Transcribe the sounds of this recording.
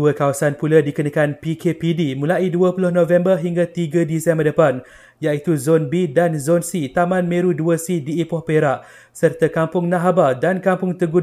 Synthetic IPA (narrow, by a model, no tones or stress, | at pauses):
uəkawasanpuladikənakanpikʰepidimũlaiduəpulʊhnõvɛmbərɦiŋɡat̪iɡədisɛmbərdəpan | jait̪uzonbidanzɔnsit̪amãnmẽɾuduəsidiːpɔhpeɾaʔ | sərt̪akampʊŋnaɦabadankampʊŋt̪əɡu